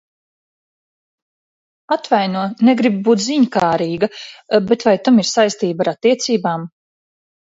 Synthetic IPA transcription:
at̪vajnuɔnɛɡɾibbuːt̪ziɲkaːɾiːɡabet̪vajt̪amiɾsajst̪iːbaɾat̪ːiɛt̪siːbaːm

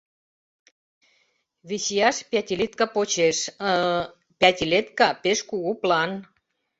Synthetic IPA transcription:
βisijɑʃpʲæt̪ʲilit̪kɑpot͡ɕeʃə | pʲæt̪ʲilet̪kɑpeʃkuɣuplɑn

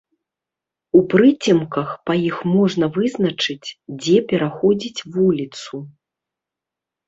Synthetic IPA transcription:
upɾɨt͡sʲimkɐxpɐjixmɔʐnɐvɨznɐt͡ʂɨt͡sʲd͡zʲɛpʲɛɾaxɔd͡zʲit͡sʲvulʲit̪su

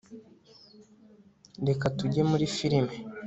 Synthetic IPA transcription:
de̞katuɟe̞muɾifiɾime

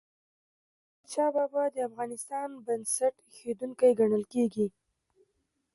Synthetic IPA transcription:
ət͡ʃɑbabad̪əafɣɑnɪst̪ɑnbənsaʈ | xed̪uŋkajɡaɳəlkeɡi

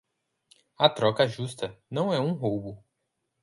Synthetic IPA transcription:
ɐt̪ɾɔkɐʒust̪ɐnɐ̃w̃ɛũɦowbʊ

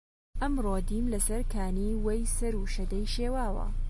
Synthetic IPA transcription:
ʔɐmroːd̪iːmlɐsɐɾkʰaːniːwɐjsɐɾuʃɐd̪ɐjʃeːwaːwɐ̰

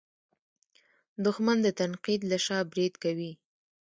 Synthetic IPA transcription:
d̪ʊxmand̪ət̪anqid̪laʃɑbɾid̪kawi

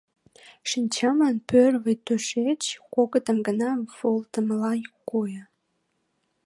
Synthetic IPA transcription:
ʃinʲt͡ɕɑmənpørβəjt̪øʃet͡ɕkoɣət̪ə̆mɡənɑvolt̪əmlɑjkojə̆

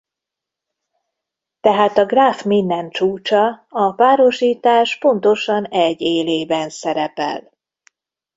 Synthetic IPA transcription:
t̪ɛɦaːt̪ɒɡraːfmind̪ɛnt͡ʃuːt͡ʃɒɒpaːɾo̞ʃiːt̪aːʃpo̞nt̪o̞ʃɒnɛɟːeːleːbɛnsɛɾɛpɛ̰l

